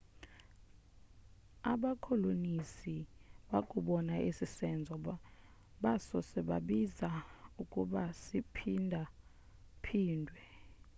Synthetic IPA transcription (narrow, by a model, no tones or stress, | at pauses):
aɓakʰɔlonisiɓakʼuɓɔnaʔisisɛnd͡zʱɔ | ɓasɔsɛɓa̰ɓizaukʼuɓasipʰindʱa | pʰiːndʱwɛ